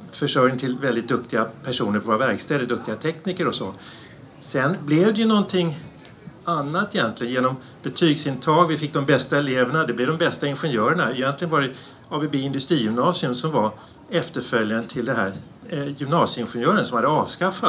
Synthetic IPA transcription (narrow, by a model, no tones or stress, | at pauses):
fœʂœjnɪŋt̪ʰɪlvɛld̪ɪt̪̚d̪ɵk̚t̪ɪɡapʰæʂuːnəɾpʰvoːɾavæɾkst̪ɛːld̪əd̪ɵk̚t̪ɪɡat̪ʰɛkniːkəɾɔsɔ̰ | sɛnblɛvd̪ɛjɵnɔnt̪ʰɪŋː | anːat̪ːɛjɛnt̪lɪɡənjeːnɔm | b̥ɛt̪ʰyːɡsɪnt̪ʰɑːɡvɪfɪk̚ːd̪ɔmbɛst̪aɛleːvəɳad̪ɛblɛvd̪ɔmbɛst̪aɪnɧɛnjœːɾəɳaɪjɛnt̪lɪɡənvaɖɛ | ɑːbɛbeɪnd̪ɵst̪ɾiːjʏmnɑːsɪɵmsɔmva | ɛft̪əɾfœljant̪ʰɪld̪ɛnɦæ̰ːɾ | jʏmnɑːsjəɪnɧɛnjœːɾənsɔmhad̪ːəɑːvskafːat̪